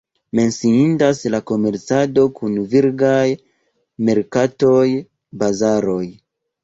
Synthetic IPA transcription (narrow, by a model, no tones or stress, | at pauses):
me̞nsiindaslako̞me̞ɾt͡sado̞kʰunviɾɡaj | me̞ɾkato̞j | bazaɾo̞j